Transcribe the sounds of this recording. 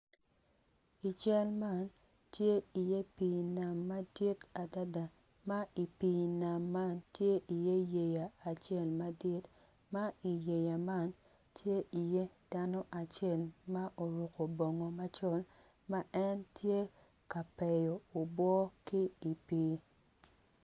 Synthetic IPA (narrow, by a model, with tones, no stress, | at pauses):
i˨t͡ʃɛ˦lma˦˨n | tje˦i˨je˦pi˨na˨mːa˦di˦ta˨da˦da˨ | ma˦i˨piː˦˨na˨mːa˦ntje˦ʔi˨je˦je˨jaː˨t͡ʃɛ˦˨lma˦dɪ˦t | ma˦i˨je˨ja˨ma˦n | tʰje˦ʔi˨je˦d̥a˦no˦ʔa˨t͡ʃɛ˦˨lma˦ʔo˨ɾu˨ko˨bo˨ŋo˨ma˦t͡ʃɔ˦l | ma˦ʔɛ˦ntʰje˦ | ka˨pɛ˨jo˨o˨bwɔ˦ki˦i˨piː˦